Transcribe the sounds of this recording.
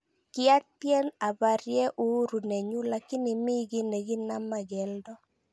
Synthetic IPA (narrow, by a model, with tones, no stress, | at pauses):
kɪ˦a˦tjɛ˦na˨ba˨ɾjɛ˦ʔu˦ɾu˨nɛ˨ɲu˦la˨kɪ˦nɪ˨mi˦ɡɪ˦nɛ˨ɡɪ˦na˦ma˨ɡɛ˨ldɔ˦